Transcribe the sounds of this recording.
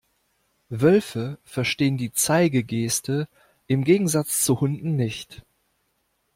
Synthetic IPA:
vœlfəfɛɐʃteːəndiːt͡saɪɡəɡeːstə | ʔɪmɡeːɡŋ̩zat͡st͡suhʊndn̩nɪçt

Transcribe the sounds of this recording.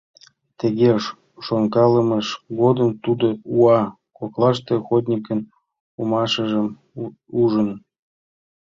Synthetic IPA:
t̪eɣeʃ | ʃoŋkɑləməʃɡod̪əmt̪ud̪ouɑ | koklˠɑʃt̪exod̪ʲnʲikən | umɑʃəʒə̆m | uʒən

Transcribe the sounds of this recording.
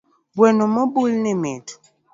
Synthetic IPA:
bwɛnomɔbulnemetu̥

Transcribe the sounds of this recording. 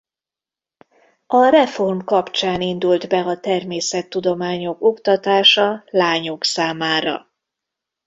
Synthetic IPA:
ɒrɛfo̞rmkɒpt͡ʃaːnind̪uld̪bɛɒt̪ɛrmeːsɛt̪ːud̪o̞maːɲo̞kokt̪ɒt̪aːʃɒlaːɲo̞ksaːmaːɾɒ̰

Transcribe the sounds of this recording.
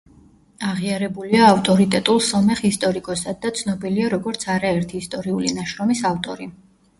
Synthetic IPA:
aʁiaɾɛbuliaːft̪ʼɔɾit̪ʼɛt̪ʼulˠsɔmɛχist̪ʼɔɾikʼɔsad̪̚ːat̪sʰnɔbiliaɾɔɡɔɾt̪sʰaɾaɛɾt̪ʰiːst̪ʼɔɾiulinaʃɾɔmisaft̪ʼɔɾi

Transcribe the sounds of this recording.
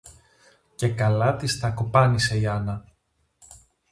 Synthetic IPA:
ce̞kɐlɐt̪ist̪ɐkopɐnise̞iɐnɐ

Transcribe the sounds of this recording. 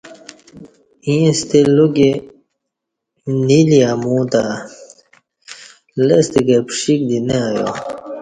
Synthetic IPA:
ĩːst̪eluɡe | niliamũːt̪a | lest̪iɡepʂik̚d̪ineajo̰

